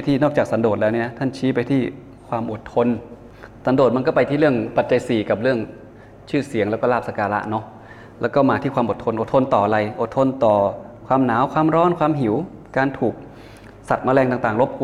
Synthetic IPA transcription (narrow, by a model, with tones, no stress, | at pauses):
jt̪ʰiː˥˩nɔː˥˩k̚t͡ɕaː˨˩k̚sa˨˧˦ndoː˨˩lɛː˦˥wniː˧˥˩na˦˥t̪ʰa˥˩nt͡ɕʰiː˦˥pa˧jt̪ʰiː˥˩ | kʰwaː˧mʔo˨˩t̪ʰːo˧n | sa˨˧˦ndoː˨˩t̪̚ma˧nkɔː˥˩pa˧jt̪ʰiː˥˩ɾɯ˥˩əŋpa˨˩t̪̚t͡ɕa˧jsiː˨˩ka˨˩p̚ɾɯ˥˩əŋ | t͡ɕʰɯː˥˩si˨˩˦əŋlɛː˦˥wkɔː˥˩laː˥˩p̚sa˧kaː˧la̰˦˥ʔnɔ˦˥ | lɛː˦˥wkɔː˥˩maː˧t̪ʰiː˥˩kʰwaː˧mʔo˨˩t̪ʰːo˧nʔo˨˩t̪ʰo˧nt̪ɔː˨˩ʔa˨˩ɾa˧jʔo˨˩t̪ʰːo˧nt̪ɔː˨˩ | kʰwaː˧mnaː˩˦˥wkʰwaː˧mɾɔː˦˥nkʰwaː˧mɦi˩˦wkaː˧nt̪ʰuː˨˩k̚ | sa˨˩t̪̚maː˧lɛː˧ŋt̪aː˨˩ŋt̪aː˨˩ŋlo˦˥p̚